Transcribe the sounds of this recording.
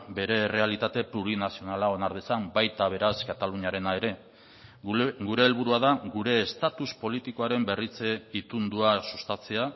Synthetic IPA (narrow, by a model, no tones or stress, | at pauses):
be̞ɾe̞ːre̞alit̪at̪e̞pluɾinasio̞nalao̞naɾð̞esambajt̪aβ̞e̞ɾaskat̪aluɲaɾe̞nae̞ɾe̞ | ɡuɾe̞ːlβuɾuaðaɡuɾe̞ːst̪at̪uspo̞lit̪iko̞aɾe̞mbe̞rit͡se̞it̪und̪uasust̪at͡se̞a